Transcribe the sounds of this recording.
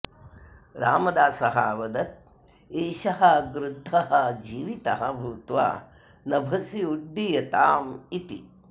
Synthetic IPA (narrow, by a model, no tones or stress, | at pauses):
ɾaːmɐd̪aːsɐɦaːʋɐd̪ɐt̪̚ | eːʃɐɦɐɡɾud̪ʱːɐɦɐd͡ʒiːʋit̪ɐɦɐbʱuːt̪ʋa̰ː | nɐbʱɐsiuɖːijɐt̪aːmit̪ḭ